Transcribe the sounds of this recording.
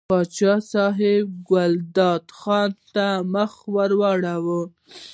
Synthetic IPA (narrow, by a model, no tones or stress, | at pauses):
pɑt͡ʃɑsɑɦɪb̚ɡald̪ɑd̪xɑnt̪aməxwaɾwɑɽawə